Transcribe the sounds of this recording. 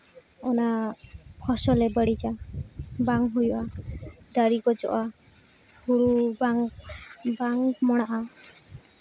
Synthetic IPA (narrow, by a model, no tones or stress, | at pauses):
ɔnakʰɔsɔlebəɽid͡ʒa | baŋɦujuʔad̪aɾiɡɔd͡ʒɔ̰ʔa | ɡuɾubaŋ | baŋmɔɽ̃aʔa